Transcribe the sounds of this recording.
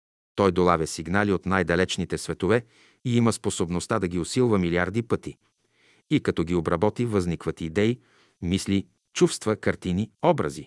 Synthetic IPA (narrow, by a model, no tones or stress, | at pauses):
t̪ɔjd̪olˠavʲəsiɡnaliot̪najd̪ɐlɛt͡ʃnit̪ɛsvɛt̪ovɛ | iiməsposobnost̪ad̪ɐɡʲiosilˠvəmiliaɾd̪ipɤt̪i | ikɐt̪ɔɡʲiobɾɐbɔt̪ivɐznikvət̪iːd̪ɛi | misli | t͡ʃufst̪vəkɐɾt̪iniɔbɾə̰zi